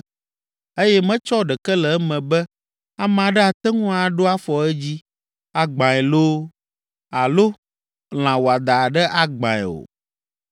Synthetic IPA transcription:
e˦jɛ˦mɛ̃˦t͡ʃɔ˦ɖɛ˨kɛ˦lɛ˨ɛ˦mɛ̃˨bɛ˦ | a˦m̃˨a˨ɖɛ˦a˨t̪ɛ˦ŋũ˦a˨ɖo˦a˦fɔ˨ɛ˦d͡ʑi˦ | a˨ɡ͡bã˨ɛ˨lo˦ | a˨lo˦ | l̃ã˨wo˨a˨d̪a˨ɖɛ˦ʔa˦ɡ͡bã˨ɛ̰˨o̰˨

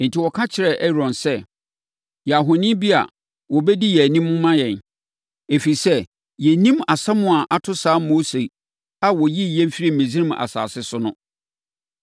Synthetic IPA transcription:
n̩˨tʰi˨wɔ˨kʰã˦t͡ɕʰɪ˨ɾɛ˦ʔɛ˦ɾɔ̃˨nsɛ˦ | jɛ˨a˨ɦo˨nĩ˦bi˦a̰˨ | wɔ˨bɛ˦di˦jɛ˨nĩ˦mʊ˦mːã˦jɛ̃˨n | e˨fi˨sɛ˦ | jɛ˨nĩ˦ma˨sã˦mʊ̃˨a˨ʔa˨tʰʊ˦saː˨˦mo˦se˨ | a˨wɔ˨ji˦jɛ˦m˦fi˦ɾi˦˨mẽ˨zi˦ɾĩ˦ma̰˨sa̰ː˨sɪ˦sʊ˦nʊ̃˦

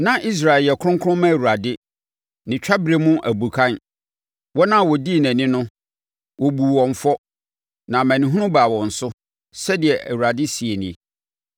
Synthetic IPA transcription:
nã˦ʔi˦s̬ɾa˨ɛ˨ljɛ˨kʰʊ̃˦ŋkʰʊ˦ʊ̃˦mã˦æ˨wu˨ɾa˨dɪ˦ | nɪ̃˨t͡ɕᶣa˦bɾe˨˦mʊ̃˦ʔæ˨bu˨kʰã˦n | wɔ˦nã˦˨wɔ˨di˦˨næ̃˨nɪ̃˦nʊ̃˦ | wʔɔ˨bu˨wɔ̃˨ɱ˨fɔ˦ | nã˨mæ̃˨nĩ˨ɦʊ̃˦nʊ̃˦baː˨wɔ̃˨n̩˨sʊ˦ | sɛ˦dɪ˨ɛ˨ʔæ˨wu˨ɾa˨dɪ˦si˨e˨nĩ˨

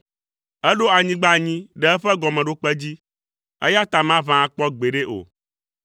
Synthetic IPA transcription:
ɛ˦ɖo˦a˨ɲĩ˦ɡ͡ba˦ɲĩ˦ɖɛ˦ɛ˦ɸɛ˦ɡɔ˨mɛ̃˨ɖo˦k͡pɛ˦d͡ʑi˦ | ɛ̰˦ja˦t̪a˨mã˦vã˨a˨k͡pɔ˦ɡ͡be˨ɖe˦ʔo̰˨

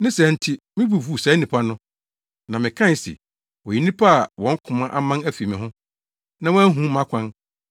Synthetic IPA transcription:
nɪ̃˦sɛ˨n̩˦tʰɪ˦ | mɪ̃˦bu˨fu˦˨sɛ˨˦nĩ˨pʰa˦nʊ̃˦ | nã˨mɪ̃˨kʰã˦n˨sɛ̰˨ | wɔ˨ji˨nĩ˦pʰa˦a˨wɔ̃˨˦ŋ̩˦kʰʊ̃˨mã˦ʔa˦mã˦næ˦fi˨mɪ̃˨ɦʊ̃˦ | nã˦wɔ˦æ˦ɦũ˦mã˦kʷʰã˦n

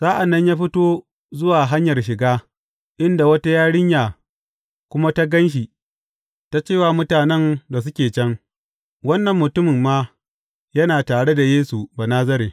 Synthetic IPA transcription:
saː˦ʔa˨nːɐ˦ɲjaː˦ɸɪ˦toː˦ | zʊ˦waː˨ɦa˦ɲjɐ˨rʃ̬ɪ˨ɡaː˦ | ʔɪ˦nda˨wɐ˦ta˦jaː˦ɽɪ˦ɲjaː˨ | kʷʊ˦ma˦ta˦ɡɐ˦nʃ̬i˨ | ta˦t͡ʃeː˦˨waː˨mʊ˦taː˨nɛ˦nda˨s̬ʊ˦kʲeː˨t͡ʃɐ˦ŋ | wɐ˦nːɐ˨mːʊ˨tʊ˦mɪ˨mːaː˦ | jɐ˦naː˨taː˨ɽe˦da˨jeː˦su˨baː˨naː˦zɐ˦ɾeː˨

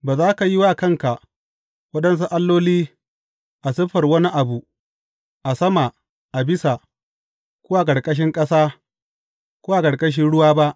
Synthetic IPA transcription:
baː˨zaː˦ka˨ji˦waː˦kɐ˦˨ŋka˨ʔ | wɐ˦ɗɐ˦ns̬u˦ʔa˦lːoː˦liː˦ | ʔa˨sɪ˦ɸɐ˨rwɐ˦ni˦ʔa˨bu˨ | ʔa˨sɐ˦ma˨ | ʔa˨bɪ˦sa˨ | kʷʊ˦wa˦˨k̬ʼɐ˨ɽkʼɐ˦ʃ̬ɪ˦ŋkʼɐ˦saː˦ | kʷoː˦wa˦˨kɐ˨ɽkʼɐ˦ʃ̬ɪ˦nɽʊ˦waː˦ba˦ʔ

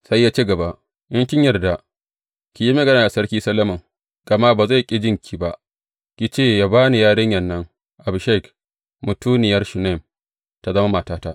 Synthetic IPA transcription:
sa˦jːaː˦t͡ʃi˦ɡɐ˨ba˨ʔ | jɐ˦ŋkʲɪ˦ɲjɐ˨rda˨ | kʲi˨ji˦mɐ˨ɡɐ˦naː˨ʔa˨sɐ˦ɽkʲiː˦sɐ˦lɐ˦mɐ˨ŋ | ɡ̥ɐ˨ma˦baː˨za˦˨kʲʼɪ˦d͡ʒɪ˦ŋkʲʰiː˨ba˦ʔ | kʲi˨t͡ʃeː˦˨jaː˦baː˦ni˨jaː˦ɽɪ˦ɲjɛ˨nːɐ˦ŋ | ʔa˨bʃɛ˦˨k | mʊ˨tuː˦nɪ˨jɐ˦rʃu˨nɛ˦˨m | ta˦zɐ˦ma˦ma˨taː˦ta˦ʔ

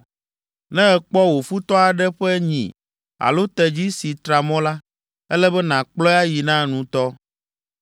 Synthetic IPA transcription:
nɛ̃˦ɛ˨k͡pɔ˦wo˨fu˦t̪ɔ˦a˨ɖɛ˦ɸɛ˦ɲḭ̃˨ | a̰˨lo˦t̪ɛ˨d͡ʑi˦si˨t̪ɾa˨mɔ̃˦la˦ | ɛ˦lɛ˦bɛ˦nã˨k͡plɔ˦a˦ji˨nã˦nũ˨t̪ɔ˦

